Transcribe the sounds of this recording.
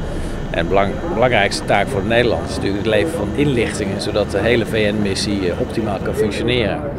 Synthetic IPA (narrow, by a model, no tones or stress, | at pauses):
ʔɛ̰n | bəlɑŋrɛjkstə̥taːkfʊːɹdənejdəlɑ̰ntɪsnətyːləkətlejvəvɑnɪnlɪχtɪŋənzowdɑt̚dəɦejləvejɛnmɪsiʔɔp̚timaːlˠkɑnfɵŋkʃonɪːrə̰n